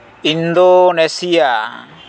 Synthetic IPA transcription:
ind̪onesija

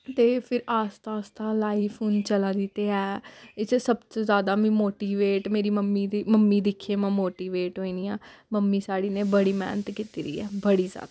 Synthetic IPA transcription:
t̪eːpʰɪɾaːst̪aːst̪aːlaːiːpʰuːnt͡ʃəlaːd̪ɪt̪eːɛːɪt͡ʃsəbt̪oːzjaːd̪aːmĩːmoːʈiːʋeːʈmeːɾiːməmːiːd̪iməmːiːd̪ɪkʰːeːmãːmoːʈiːʋeːʈɦoːiːniːaːməmːiːsaːɽiːneːbəɽiːmɛ̰ːnət̪kiːt̪iːɾḭːɛ̰ːbəɽiːzja̰ːd̪aaː

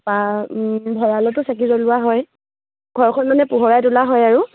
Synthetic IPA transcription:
ba | bʱɔɹalɔtʊsak̬izolʊwaɦɔj | ɡ̥ʱɔɹkʰɔnmanɛpuɦɔɹajtulaɦɔjaɹu

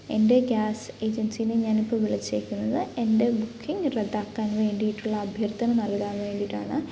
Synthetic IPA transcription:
e̞nde̞ɡʲaːse̞ːd͡ʑɐnsijinɨɲaːnipːoːʋiɭɐt͡ɕːekʲːunːɐðɨe̞nde̞bukʰːiŋɡred̪ːaːkːaːnʋe̞ːɳɖijiʈːuɭːɐːbʱjɐrt̪ʰɐnɐnɐlkaːnʋe̞ːɳɖiʈːa̰ːɳɨ

